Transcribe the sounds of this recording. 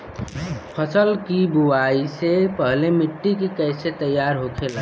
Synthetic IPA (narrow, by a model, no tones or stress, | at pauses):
pʰəsəlkibuaisepəɦlemiʈːikekəɪset̪əjːaɾɦokʰel